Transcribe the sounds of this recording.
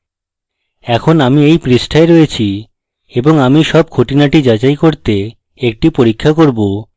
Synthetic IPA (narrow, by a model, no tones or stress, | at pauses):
ɛkʰonamiejpɾisʈʰaeɾoet͡ɕʰi | eboŋamiʃɔb̚kʰoʈinaʈid͡ʑat͡ɕajkoɾt̪e | ek̚ʈipoɾikʰːakoɾbo